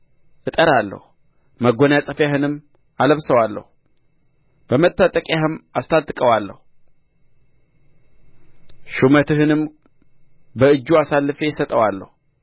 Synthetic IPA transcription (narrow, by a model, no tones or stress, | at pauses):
ʔɨt̪ʼəɾalːə̰hu | məɡonjasʼəfjaɦɨnɨmː | aləβsəwalːə̰hu | b̥əmət̪ʼːat̪ʼəkʼjahɨmast̪ʰad̪ʼɨkʼəwalːə̰hu | ʃumət̪ʰɨhɨnɨm | bəɨd͡ʒːuasalːɨfejɪsət̪ʼəwalːə̰hu